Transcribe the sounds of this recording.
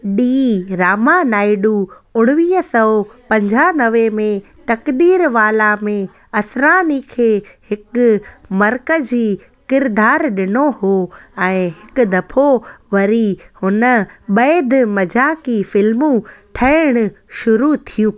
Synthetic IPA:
ɗiːɾaːmanaːɪɖu | ʊɽ̃ʋiːɦəsɔːpɐ̃ɲd͡ʑʱanɐʋemẽ | t̪ɐkd̪iːɾʋaːlamẽ | ɐsɾaːnikʰeːhɪkʊmɐɾkəiː | kɪɾd̪aːɾɗɪnohoːɛ̃ːɦɪkʊ̆d̪ɐpʰoʋɐɾihʊnəɓɐːd̪mɐd͡ʑaːkifɪlmũʈʰɐɪɽ̃ʊ̆ | ʃʊɾut̪ʰijũː

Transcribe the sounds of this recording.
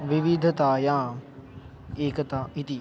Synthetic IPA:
ʋɪʋɪd̪ʱt̪ajãː | eːkt̪aɪt̪iː

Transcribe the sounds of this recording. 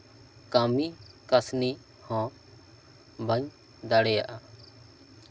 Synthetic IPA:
kamikasni | hɔ̃ | bʱəɲ | d̪aɽɛjaʔa

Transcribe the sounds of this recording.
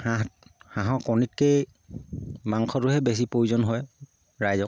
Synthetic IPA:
ahãɦɔ̃kɔnit̚kej | maŋkʰɔtʊɦɛbes̬ipojzɔnɦɔj | ɹajzɔk

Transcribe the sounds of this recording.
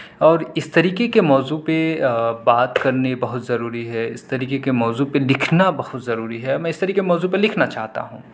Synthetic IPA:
ɔːɾɪst̪ɐɾiːkekemɔːzupebaːt̪kɐɾnebɐɦʊt̪zɐɾuːɾiɦɛɪ̰st̪ɐɾiːkekemɔːzupelɪkʰnabɐhʊt̪zɐɾuːɾiɦɛmɛ̃ːɪst̪ɐɾiːkemɔːzupelɪkʰnat͡ʃaːɦt̪a̰ɦũː

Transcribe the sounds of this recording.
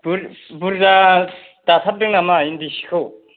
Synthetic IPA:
buɾbuɾza | d̥at̪ʰap̚deŋnamaindisi̥kʰɯw

